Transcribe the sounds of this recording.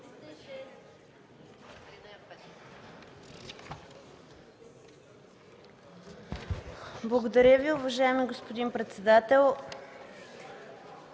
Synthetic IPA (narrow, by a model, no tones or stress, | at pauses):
blˠɐɡod̪ɐɾʲjəviʊvɐʒaɛmiɡospod̪inpɾɛt̪sɛd̪at̪ɛlˠ